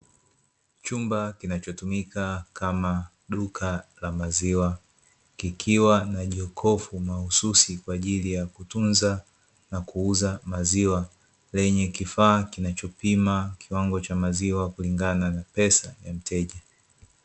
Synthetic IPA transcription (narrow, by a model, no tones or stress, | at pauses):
t͡ʃumbakinat͡ʃɔtumikakama | ɗukʰalamaziwa | kikʰiwanaʄɔkʰɔfumahususikwaːʄilijakutunza | nakuuzamaziwa | lɛɲɛkifaːkinat͡ʃɔpimakʰiwaŋɡɔt͡ʃamaziwakuliŋɡananapɛsajam̩tʰɛʄa